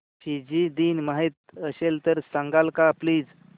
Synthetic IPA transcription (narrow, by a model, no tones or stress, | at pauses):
ɕid͡ʑid̪iːnmaɦet̪̚əɕelt̪əɾsaŋɡalkapliːd͡z